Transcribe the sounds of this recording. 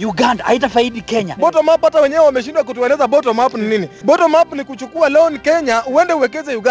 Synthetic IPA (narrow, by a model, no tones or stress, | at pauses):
juɡandaʔa̰itafaiɗikɛɲa̰ɓɔtɔmaphatawɛɲɛwɛwamɛʃ̬indwakutuɛlɛzaɓɔtɔmapnininiɓɔtɔmapnikut͡ʃukualɛɔnikɛɲauɛndɛuwɛkɛzɛjuɡa